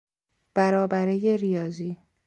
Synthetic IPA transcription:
b̥æɾɒːbæɾejeɾijɒːziː

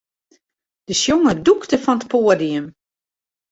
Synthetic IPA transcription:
d̥əsjoŋəduktəfɔnətpoːədiəm

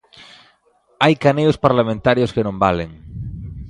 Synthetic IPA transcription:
ajkaneospaɾlamẽnt̪aɾjoskenõmbaleŋ

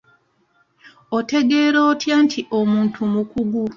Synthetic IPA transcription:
o̞te̞ɡe̞ːɾo̞ːtʰjaːntʰiʔo̞muːntʰumukuɡu

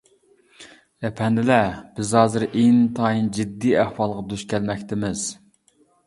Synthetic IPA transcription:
ɛpʰɛnd̪ɪlɛb̥ɪzhɑːzɨɾʔent̪ʰɑːjind͡ʒid̪ːiæhwɑlˠʁɑd̪uʃkʲɛlmɛkʲt̪ɪmɪz̥

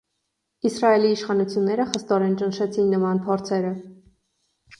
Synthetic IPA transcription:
isrɑɛliːʃχɑnut͡sʰjunːɛɾəχəst̪ɔɾɛnt͡ʃənʃɛt͡sʰinːəmɑnpʰɔɾt͡sʰɛɾə

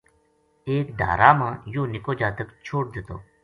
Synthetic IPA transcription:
eːk̚ɖʱa̰ːɾaːmãːjõːnɪkoːd͡ʒaːt̪əkt͡ʃʰoːɽd̪ɪt̪o̰ː

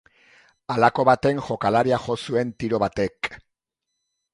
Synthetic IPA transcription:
alako̞βat̪e̞ŋʝo̞kalaɾiaxo̞sue̞nt̪iɾo̞βat̪e̞k

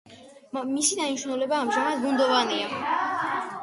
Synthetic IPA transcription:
misid̪aniʃnulɛbaːmʒamad̪̚ɡund̪ɔvania

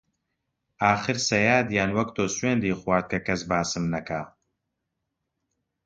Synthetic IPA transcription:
aːxɨɾsɐjaːd̪jaːnwɐkt̪oːsweːnd̪iːxwaːɾt̪̚kʰɐkɐs̬baːsɨmnɐkaː

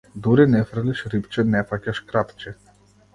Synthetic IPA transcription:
d̪uɾinɛfrliʃɾipt͡ʃɛnɛfacaʃkɾat̪t͡ʃɛ

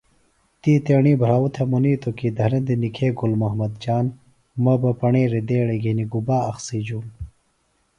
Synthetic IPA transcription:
t̪iːt̪eːɳiːbʱɾaːwut̪ʰemuniːt̪okid̪ʱɐɾɐd̪inikʰeːɡulmɐɦmɐd̪d͡ʑaːn | mɐbɐpɐɳeːɾid̪eːɽeɡʱiniɡubaːɐxsiːd͡ʑuːm

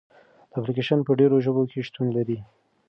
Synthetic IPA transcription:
d̪əaplikeʃanpəɖeɾoʒəbokʰeʃt̪unlaɾi

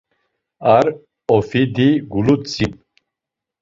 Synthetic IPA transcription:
aɾ | ɔfid̪iɡulut͡sʼip

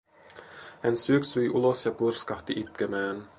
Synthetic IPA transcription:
hænsyøksyjʔulosjɑpurskɑht̪iʔit̪kæmæːn

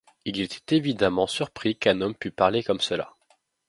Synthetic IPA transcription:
ilet̪ʰɛ̥t̪evid̪amɑ̃syʁpχikɛ̃nɔmpypaʁlekɔmsəla̰

